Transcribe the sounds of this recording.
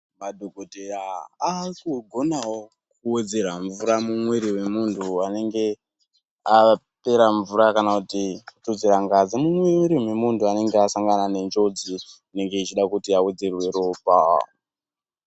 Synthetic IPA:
madʱokotejaː | kuɡʱo̞nawo | kued͡zeɾaɱvuɾamumweɾiwe̞muntʰuane̞ŋɡe̞ | a | pe̞ɾaɱvuɾakanakutitud͡zeɾaŋɡad͡zimumweɾimwemuntʰuane̞ŋɡeasaŋɡanane̞nd͡ʒo̞d͡zi | ne̞ŋɡe̞it͡ʃiɗakutiawed͡zerwe̞ɾoːpa̰

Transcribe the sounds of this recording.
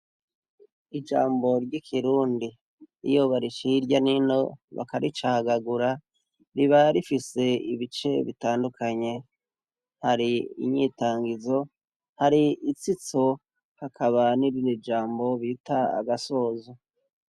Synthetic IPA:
id͡ʒa̰ːmbo̞ɾɟikʰiɾuːndi | ḭjoβaɾiʃiɾɟanino̞βa̰kaɾit͡ʃaɡaɡuɾa | ɾiβaɾifise̞iβit͡ʃe̞βitaːndukʰaɲe̞ | haɾiḭɲitaːŋɡizo̞ | haɾiit͡sit͡so | hakʰaβaniɾiɾid͡ʒaːmbo̞βitʰaa̰ɡaso̞ːzo

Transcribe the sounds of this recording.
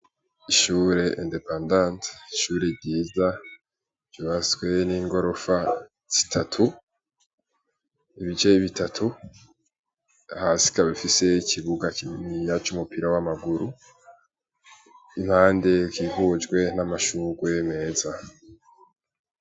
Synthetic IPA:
iʃuːɾe̞endepandãntiʃuːɾe̞ɾɟiːza | v̥joβasɡwe̞niːŋɡo̞ɾo̞fa | z̥i̥tʰatʰu | iβit͡ʃe̞iβitʰatʰu | hasi̥kaβifise̞icʰiβuɡakiijat͡ʃumupiɾawamaɡuɾu | imhaːnde̞kivuːd͡ʒɡwe̞namaʃuɡweme̞ːza

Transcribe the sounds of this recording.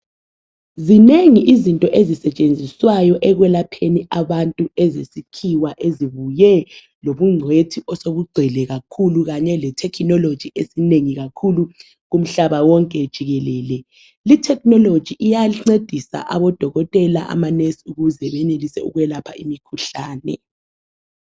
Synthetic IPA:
zineŋiʔizintʼɔʔezisɛt͡ʃʼend͡zʱiswajɔʔɛɣwɛlapʰeniʔaβantʼuɛzesikʰiwaʔeziβujɛ | loβuŋ͡ǀʱwetʰiɔsoβuɡ͡ǀʱɛlɛɣakʰuluɣaɲɛlɛtʰɛkʰnɔlod̥ʒ̥ʱiʔesineŋiɣakʰulu | ɣum̩ɬaβawɔŋkʼɛd̥ʒ̥ʱiɣɛlɛːlɛ | litʰɛk̚nɔlod̥ʒ̥ʱiʔijaŋ͡ǀed̥ʱisa̰ʔa̰βɔd̥ʱɔɣɔtʼɛla̰ʔa̰manesuɣuzɛβɛnelisɛ̰ṵɣwɛlapʰaimikʰuɬaːnɛ̰

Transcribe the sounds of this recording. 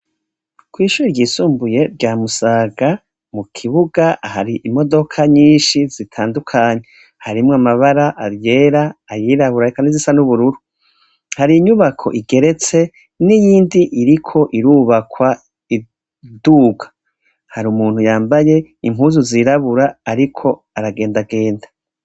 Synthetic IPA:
kwiːʃuːɾiɾɟiːsuːmbuje̞ɾɟaːmusaːɡa | mukʰiβuɡahaɾiʔimo̞do̞kʰaɲiːnʃizitʰaːndukʰaɲe | haɾimŋamaβaɾaʔaɾje̞ːɾaːjiːɾaβuɾaikanizisanuβuɾuɾu | haɾiːɲuβakʰo̞̰ʔiɡe̞ɾe̞t͡se̞ | nijiːndiʔiɾikʰo̞ʔiɾuːβakwa | i | duɡḁ | haɾumuːn̥hujaːmbaje̞imuːzuziɾaβuɾaːɾikʰo̞ | aɾaɡe̞ːndaɡe̞ːnda

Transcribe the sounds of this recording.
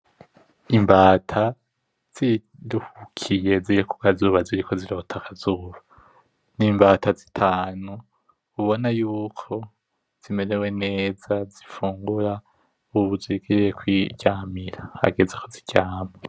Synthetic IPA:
imbaːtʰa | z̥i | ɾuhukʰije̞ziɾeku̥kazuːβaziɾiko̞ziɾo̞ːtʰakʰazuːβa | niːmbaːtazitʰaːnuː | βo̞najuːkʰo̞ | z̥ime̞ɾe̞we̞ne̞ːzazifuːŋɡuɾa | uβuzwiɡiɾejekwiɟaːmiɾaha̰ɡezekʰoziɟaːma

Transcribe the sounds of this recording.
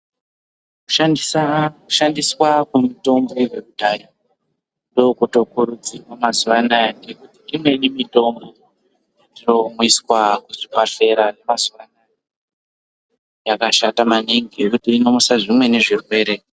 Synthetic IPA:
ku̥ | ku̥ʃandiswakumuto̞mbowekudʱajo | ndo̞kuto̞kuɾud͡zirwamazuʋanajandekutiimwe̞nimito̞mbo̞ | atino̞muiswakuʐipaɬe̞ɾane̞mazuʋana | jakaʃatamaniŋɡiekutiːno̞musaʐimwe̞ne̞ʐirwe̞ːɾe̞

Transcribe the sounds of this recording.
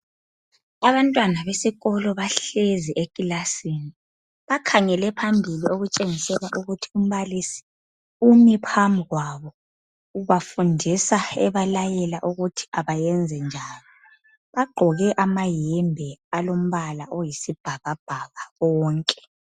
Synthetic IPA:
aβantʼwanaβesiɣɔlɔβaɬeziʔekʼilasini | βakʰaŋɛlɛpʰambʱilioɣut͡ʃʼeŋisɛlaʔuɣutʰium̩βalisi̥ | umipʰamʱiɣwaβɔ | uβafundʱisaɛβalajɛlaʔuɣutʰi̥aβajɛnd͡zʱɛnd͡ʒʱaːlɔ | βaɡ͡ǃʱɔɣɛʔamajɛmbʱɛalom̩βalaʔojisib̥ʱaɣab̥ʱaɣaɣɔːŋkʼɛ̥

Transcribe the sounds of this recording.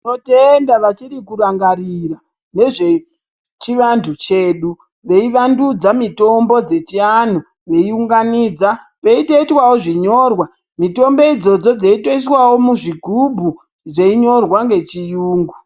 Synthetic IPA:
notendaʋat͡ʃiɾikuɾaŋɡarira | ne̞ʐe̞ | t͡ʃiʋantʰut͡ʃe̞ːɗu | ʋe̞iʋandud͡zamito̞mbo̞d͡ze̞t͡ʃian̤o | ʋe̞iuŋɡaniːd͡za | peitoitwawoʐiɲo̞rwa | mito̞mbo̞id͡zo̞d͡zo̞d͡zeito̞is̬wawo̞muʐiɡʱubʱu | ʐeiɲo̞rwaŋɡe̞t͡ʃijuːŋɡu

